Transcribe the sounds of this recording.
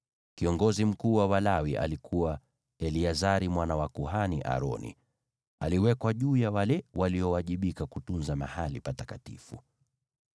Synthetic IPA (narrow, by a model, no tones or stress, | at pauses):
kiɔŋɡɔzim̩kuːwawalawiʔa̰likʰuwa | ɛliazaɾimwanawakuɦaniʔa̰ɾɔ̰nḭ | aliwɛkwaʄuːjawalɛwaliɔwaʄiɓikakutunzamahalipatakatḭfu